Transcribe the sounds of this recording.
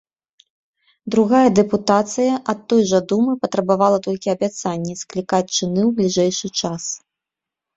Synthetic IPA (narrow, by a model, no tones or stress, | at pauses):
d̪ɾuɣajɐd̪ɛput̪at̪sɨjɐʔɐt̪ːɔjʐɐd̪umɨpɐt̪ɾɐbavalˠɐt̪ɔlʲkʲiɐbʲat̪sanʲːɛsklʲikat͡sʲt͡ʂɨnɨwblʲiʐɛjʂɨt͡ʂas